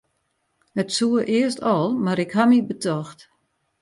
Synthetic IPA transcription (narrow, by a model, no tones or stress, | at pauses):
hətsuəʔɪəstɔlˠmaɾɪkhamibətʰɔxt